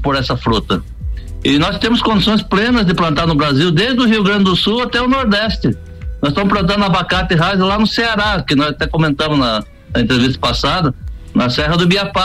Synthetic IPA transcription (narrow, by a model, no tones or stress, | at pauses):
poɾɛsɐfɾut̪ɐ | ɪnɔst̪ẽmʊskõnd̪isõj̃splẽnɐzd̪ɪplɐ̃nt̪aɾnʊbɾaziwd̪ed̪ɪd̪ʊɦiʊɡɾɐ̃nd͡ʒ̪ɪd̪ʊsuwat̪ɛʊnoɾd̪ɛst̪ɪ | nɔzst̪ɐmʊsplɐ̃n̬ɐ̃nʊɐabakat̪ɪɦazɪlanʊseaɾakɪnɔzat̪ɛkomẽnt̪ɐ̃mʊznɐ | ɐẽt̪ɾevist̪ɐ̥pasad̪ɐnɐsɛɦɐd̪ʊbiapa